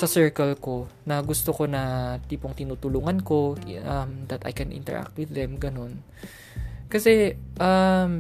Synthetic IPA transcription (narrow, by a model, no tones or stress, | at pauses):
sɐsɛɹkɐlko̞ | nɐɡʊst̪oko̞nɐt̪iːpoŋt̪ɪnuːt̪ʊluːŋɐnko̞ɐmd̪ɐt̪ɐ̰jkɛnʔɪ̰nt̪ɛ̰ɹʔa̰k̚t̪̚wɪðɛmɡɐno̞n | kɐsɛʔɐm